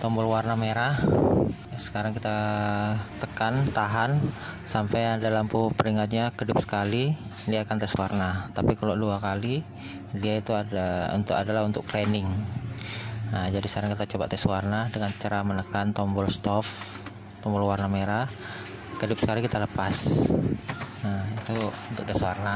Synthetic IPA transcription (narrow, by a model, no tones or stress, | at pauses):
t̪ɔmbɔlwarnameɾa | sə̥kaɾaŋkit̪a | t̪əkant̪aɦansampajadalampupəɾiŋat̪̚ɲakədʊp̚sə̥kalidiakant̪ɛswarnat̪apikaloʔduakali | diait̪uaaṵnt̪ʊkadalaɦunt̪ʊkklɛnɪŋ | əd͡ʒadisaɾaŋkit̪at͡ʃoba̰ʔt̪ɛswarnadəŋant͡ʃaɾamənəkant̪ɔmbɔlst̪ɔf | t̪ɔmbɔlwarnameɾa | kədʊp̚sə̥kalikit̪aləpas | əit̪uunt̪ʊk̚t̪ɛswarna